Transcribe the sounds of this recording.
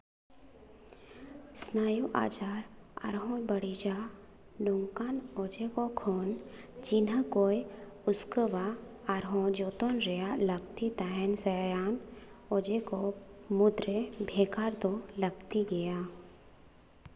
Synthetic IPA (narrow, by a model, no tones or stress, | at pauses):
snaːjuʔa̰ːd͡ʒaːɾa̰ɾɦõbɐɽid͡ʒa | lʊŋkaːnoːd͡ʒekokʰoːnd͡ʒinɦəkoːjʊskəʋa | aɾɦõd͡ʒoːt̪onɾejalɐɡt̪it̪aɦɛnsejaːn | od͡ʒekomʊd̪ɾebʱeːkaːɾt̪olɐɡt̪iɡɐjaː